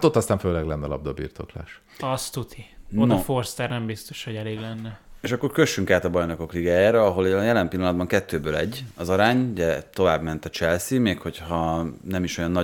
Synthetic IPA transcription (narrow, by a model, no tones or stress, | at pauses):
at̪o̞t̪ːɒst̪aːɱføːlɛɡlɛnːɛɒlɒ̰b̚d̪obḭːrt̪o̞̰kla̰ːʃ | ɒst̪ut̪ʰionɔforst̪ɛrnɛmbist̪oʃhoɟɛleːɡlɛnːɛeːʃɒkːo̞rkø̞ʃːyŋkaːt̪ɒbɒjno̞ko̞kliɡaːjaːɾɛɒɦo̞ljɛlɛmpilːɒnɒd̪bɒŋkɛt̪ːøːbøːlɛ̰ɟːɒzɒɾaːɲuɟɛt̪o̞vaːbmɛnt̪ɒt͡ʃɛlsimeːkho̞chɒnɛmiʃo̞jɒnːɒ